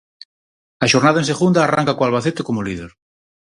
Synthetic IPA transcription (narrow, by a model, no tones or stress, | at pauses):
aʃo̞ɾnaðaenseɣund̪aːra̰ŋkakoalβaθet̪ekomoliðḛɾ